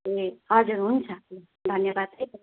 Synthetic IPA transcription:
eɦʌd͡zuɾɦunt͡sʰʌ | d̪ʱʌnjʌbad̪̚ek

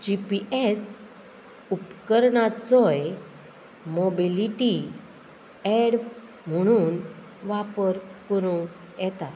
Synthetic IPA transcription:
d͡ʑipiʔes | upkəɾɳat͡sɔj | mɔbiliʈi | eɽ | m̤əɽ̃uːn | ʋapəɾkəɾũ | jɛt̪a

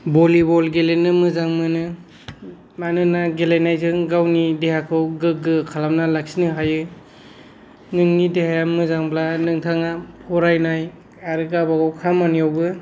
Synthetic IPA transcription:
bɔlibɔlɡelenɯmɯzaŋmɯnɯ | manɯnaɡelajnajzɯŋɡawnidehakʰɯwɡɯk̚ːɯkʰalamnalaksinɯɦajɯ | nɯŋnidehajamɯzaŋblanɯŋtʰaŋapʰɔɾajnaj | aɾɯɡabaɡawkʰamanijawbɯ

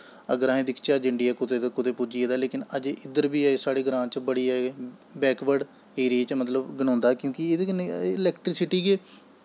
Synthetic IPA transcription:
ə̰ɡəɾaɦẽːd̪ɪkʰt͡ʃaːd͡ʒɪɳɖijaːkʊt̪eːd̪akʊt̪eːpud͡ʒiːeːd̪aːleːkɪnəd͡ʒeːʔɪd̪əɾbiːɛːeːsaːɽeːɡɾãːt͡ʃbəɽiːɛːbɛːkʋəɖ | ɦeːɾeːt͡ʃmət̪ləbɡənãːnd̪aːkjõːkied̪enelɛːkʈɾɪsɪʈiːkeː

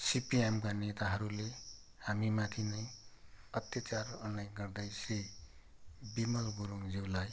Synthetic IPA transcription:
sipiemkanet̪aɦʌɾule | hamimat̪ʰinʌjʌt̪jat͡sarʌnajɡʌrd̪ʌjse | bimʌlɡuɾuŋd͡ziwlaj

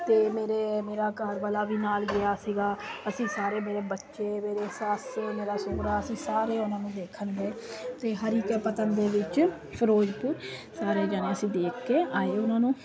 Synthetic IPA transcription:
t̪eːmeːɾeːmeːɾaːkəɾʋəlaːʋiːnaːlɡɪjaːsiːɡaːəsĩːsaːɾeːmeːɾeːbətːʃeːmeːɾeːsaːseːmeːɾaːsoːɾaːəsĩːsaːɾeːʊnãːnũːd̪eːkʰənɡeːt̪eːɦəɾɪkːpət̪ənd̪eːʋɪt͡ʃ | pʰəɾoːd͡ʒpʊɾsaːɾeːd͡ʒaːnẽːəsĩːd̪eːkʰkeːaːeːʊnãːnũː

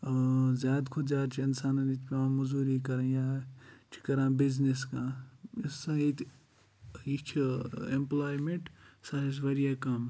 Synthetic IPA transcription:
zʲjaːd̪kʰod͡ʒaːɾt͡ʃʰiɪnsaːnãit̪ʰpãmɐzuːɾikɐɾẽjaːt͡ʃʰi̥kɐɾãːbizniskãːɪsãit̪ | jit͡ʃʰemplaːjmẽɳʈsɐɾis̬ʋɐɾjaːkɐm

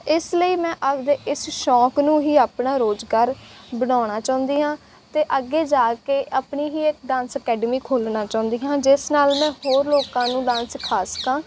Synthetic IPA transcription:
ɪsləiːmɛ̃ːʔəbd̪eːɪsʃɔːknũːɦiːaːpɳaːɾoːd͡ʒɡaːɾbəɽ̃aːɽ̃aːt͡ʃãːʊ̃nd̪iːɦãː | t̪eːʔəɡːeːd͡ʒaːkeːʔaːpniːɦiːekɖãːnsəkɛːɖəmiːkʰoːlnaːt͡ʃãːʊ̃nd̪iːɦãːd͡ʒɪsnaːlmɛ̃ːɦoːɾloːkãːnũːɖãːnskʰaːsə̥kãː

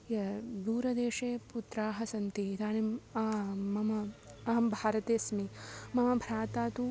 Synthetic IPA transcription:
ɐd̪uːɾɐd̪eːʂeːput̪ɾaːɦɐsɐnt̪it̪aːnemɐmɐmɐɐɐmbʱaːɾɐt̪eːsmimɐmɐbʱɾaːt̪aːt̪u

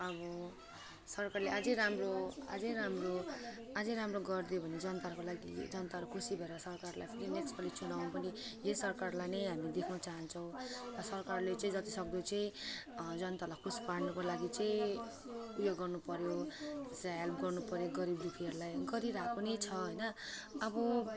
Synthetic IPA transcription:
ʌβʌ | sʌrkarleʔad͡zʌ̃j̃ɾamroa̰d͡zʌjɾamro | ad͡zʌ̃jɾamroɡʌrd̪ijobʱʌned͡zʌnʌt̪aɾkolaɡid͡zʌnʌt̪aɦʌɾukʰusibʱʌeɾʌsʌrkarlajpʰiɾinekspʌlit͡sunaw̃npʌnijesʌrkarlajnʌjɦamid̪ekʰnʌt͡saɦʌnt͡sʰʌw̃tʌsʌrkarlet͡sʌĩd͡zʌt̪isʌk̚d̪ot͡saĩd͡zʌnt̪alajkʰusi̥paɽnʌkolaɡit͡sʌĩ | upjoɡːʌrnupʌɾjosaalpɡʌrnupʌɾjoɡʌɾibd̪upʰiʌɾulajɡʌɾiɾakonejt͡sʰʌɦʌjnʌːbʌ

